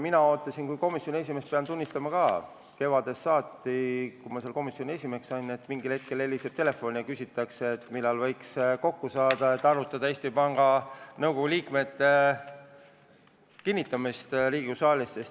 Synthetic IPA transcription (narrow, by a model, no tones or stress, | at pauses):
minɑoːt̪lɑsinkujko̞misjonʲie̞s̬ime̞speɑnt̪unʲːist̪ɑmɑkɑ | ke̞vɑd̪̥e̞sːɑːt̪ːˑikumɑse̞lko̞misjo̞nʲie̞sʲime̞ksɑjne̞t̪ːmiŋɡilhe̞t̪̚ke̞le̞lːiseb̥̚t̪e̞le̞fo̞nʲiɑkysʲit̪ːˑɑkseːt̪ːmilːɑlvɤ̞jksko̞kːusɑːd̪̥ɑet̪ːˑɑrut̪ːˑɑd̪ɑe̞ːsʲt̪ipɑŋɡ̥ɑnɤwko̞ɡuliːkme̞t̪ːe | kinʲːit̪ːˑɑmist̪ɾiːɡ̥usɑːlʲisːes